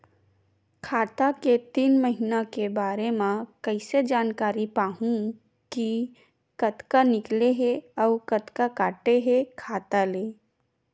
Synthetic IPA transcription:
kʰaːt̪aket̪iːnməɦinakebaːɾemãkɐɪsed͡ʒaːnkaːɾipaːɦũ | ki | kɐt̪kanɪkleɦeɔːɾkɐt̪kakaːʈeɦekʰaːt̪aleː

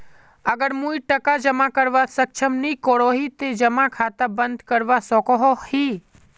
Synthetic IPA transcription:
əɡəɾmũːiʈəkad͡ʒəmakəɾʋasək̚t͡ʃʰəmnikoɽoːɦit̪ed͡ʒəmakʰaːt̪abə̃nd̪ʱkəɾʋasɔːkɔɦohiː

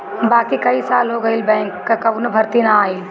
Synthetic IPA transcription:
baːkikɐisaːlɦoɡɐilbɛ̃ːŋkːakɐbunɐbʱɐɾt̪inaaːi

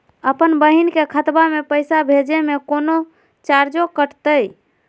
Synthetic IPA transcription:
əpənbəɦinkekʰət̪bamepəjsabʱed͡ʒemekono | t͡ʃaɾd͡ʒokəʈt̪əj

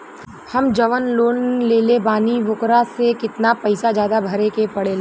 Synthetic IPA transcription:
hɐmd͡ʒɐʋənloːnleːlebaːniʋʊkɾasekɪt̪napɐɪsad͡ʒjaːd̪abʱɐɾekepɐɽeːlː

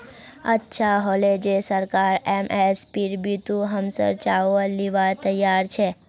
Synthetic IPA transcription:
ə̰tːʃʰaɦoled͡ʒesəɾkaɾemʔespiɾbʱit̪ũɦəmsə̰ɾt͡ʃaəliʋaɾt̪əjaɾt͡ʃʰe

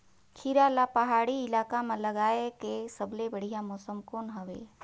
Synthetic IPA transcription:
kʰiɾaːlapɐɦaːɽiɪlaːkamãlɐɡaːekesəbʱlebəɽ̤ijãmɔːsəmkoːnɦɐʋḛː

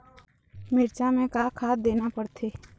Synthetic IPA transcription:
mɪɾt͡ʃamẽkaːkʰaːd̪eːnapəɽt̪ʰeː

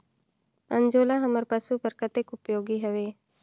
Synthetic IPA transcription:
ə̃ɲd͡ʒoːlaɦɐməɾpəsubəɾkət̪ekʊpjoːɡiɦəʋeː

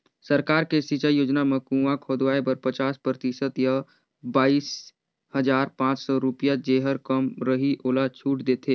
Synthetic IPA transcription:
səɾkaːɾkesit͡ʃajoːd͡ʒnamẽkũʋakʰoːd̪ʋaːebəɾpɐt͡ʃaːspɾət̪ɪʃət̪ja | baːiːs | həzaːɾpãːt͡ʃsɔɾʊpijad͡ʒeːɦəɾkəmɾəɦiʔoːlat͡ʃʰuːʈd̪eːt̪ʰeː

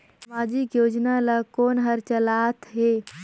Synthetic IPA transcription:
sɐmaːd͡ʒɪkjoːd͡ʒnalakoːnɦəɾt͡ʃəlaːt̪ɦe

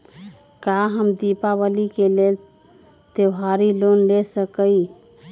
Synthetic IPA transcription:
kaɦəmd̪ipabəlikelel | t̪eɦaɾilonlesəkəj

